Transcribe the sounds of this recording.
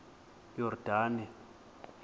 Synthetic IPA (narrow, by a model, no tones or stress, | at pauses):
jɔrd̥ʱaːnɛ